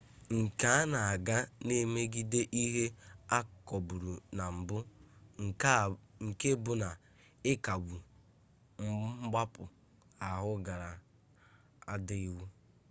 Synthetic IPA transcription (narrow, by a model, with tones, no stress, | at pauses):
ŋ̩˨ka˨˦a˦na˨a˨ɡa˦ne˦me˦ɡi˦de˦ʔi˦ɦe˦a˦kɔ˨bʊ˨ɾu˨na˨m̩˨bʊ˦ŋ̩˨˦ŋ̩˨ke˦bʊ˨na˨ | ɪ˦ka˨wu˨ | ŋ͡m̩˦ɡ͡ba˦pʊ˨ | a˨ɦʊ˦ɡa˨ɾa˨ | a˦dɪ˦i˦wu˦